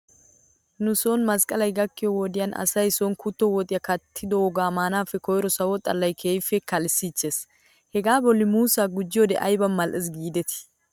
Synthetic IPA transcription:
nʊsonmɐskʼɐlɐjɡɐkːɪjɔwɔd̪ɪjɐnɐ̰sɐjsɔnkʊt̪ːɔwɔt̪ʼɪjɐkɐt̪ʰːɪd̪ɔɔɡaːmaːnaːfːɛkɔjɾɔsɐwɔt̪ʼːɐlːɐjkʰeːjfːɛkɐlsiːt͡ʃːeːs | hɛɡaːbɔlːɪmuːsaːɡʊd͡ʒːɪjoːd̪ɛ̰ʔɐjbɐnmɐlʔɛs̬ɡiːd̪ɛt̪ɪ̥

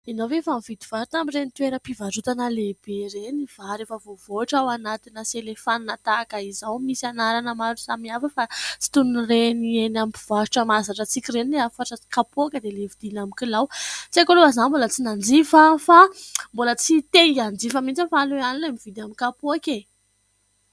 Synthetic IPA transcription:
inovefamivid̪i̥v̥aɾut̪amirenit̪uweɾəpivaɾut̪anəleb̥eɾenivaɾefəvovoaʈ͡ʂawanat̪inəselefaninət̪akaizawmisanaɾanəmaɾu̥samiafəfat͡si̥t̪unrenienamiv̥aɾuʈ͡ʂəmazaʈ͡ʂət͡sikʲirenileafaʈ͡ʂəkapuakəd̪elevid̪̥inamikilawt͡siakoloazanmbolət͡sinand͡zifafambolət͡sit̪eiand͡zifəmit͡səfaluanilamivid̪amikapuakʲe

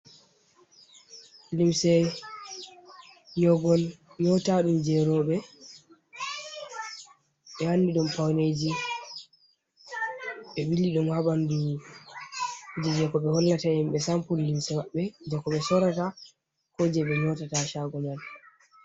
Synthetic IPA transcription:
limsɛ | jɔɡɔnɲɔtaɗumd͡ʒɛɾɔɓɛ | ɓɛhanːdiɗɔmpawned͡ʒi | ɓɛɓilːiɗɔmhaɓandu | ud͡ʒɛd͡ʒɛkɔɓɛhɔlːatahimɓɛsampullimsɛmaɓːɛd͡ʒɛkɔɓɛsɔɾata | hod͡ʒɛɓɛɲɔtataʃaɡɔnal

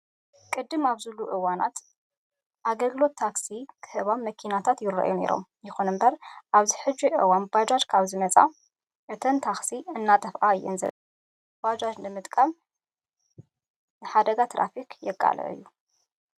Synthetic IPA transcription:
kʼɨd̪ːɨmaβzɨlːuʔɨwana̰t̪ | ʔaɡɐlɡɨlo̞t̪ʰːaksikʰɨ̥hɨβaβmɐkʰinat̪ʰat̪jɪɾɐ̰ʔjune̞̰ɾo̞̰m | jɪxunɨmbɐɾʔaβziħɨd͡ʒːiʔɨ̰wanbad͡ʒad͡ʒkʰaβzɨmɐt͡sʼa̰ | ʔɨt̪ʰɐnt̪ʰaksiɨnːat̪ʼɐfʔajːɛ̰nzɐ̰ | b̥ad͡ʒad͡ʒnɨmɨt̪ʼkʼam | nɨħad̪ɐɡat̪ʰɾʔa̰fikʰjɛkʼa̰lʔɐ̰ʔɨ̰jːu

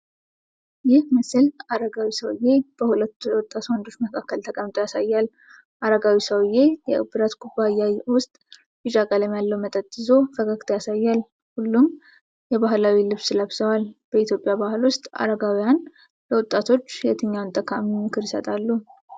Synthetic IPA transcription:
jɪhməsɨlaɾəɡawisəw̰jeb̥əhulət̪ːujwʊt̪ʼːat̪wand̪o̞t͡ʃːməkʰakːəlt̪ʰəkʼəmt̪ʼojasajːal | ʔaɾəɡawisəwjejɛʔɨ̰bɨɾət̪ɡubːajawʊst̪ʼ | bit͡ʃʼakʼaləmjalːəwmət̪ʼət̪ʼːɨzo̞fəkʰʼakt̪ʰjasajːal | hulːum | jɛbahlawilɨβsɨlaβsəwalb̥əit̪ʰjo̞pʼjabahɨlwʊst̪ʼa̰ɾəɡawijan | ləwʊt̪ʼːat̪ʰo̞t͡ʃːjɛt̪ʰɨɲːawnt̪ʼəkʰammɨkʰɨɾjɪsət̪ʼalːu

